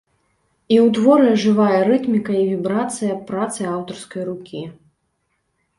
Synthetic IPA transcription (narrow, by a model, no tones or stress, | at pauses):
iwt̪vɔɾɨɐʐɨvajɐɾɨt̪mʲikɐivʲibɾat̪sɨjɐpɾat̪sɨawt̪ɐrskɐjrukʲʰi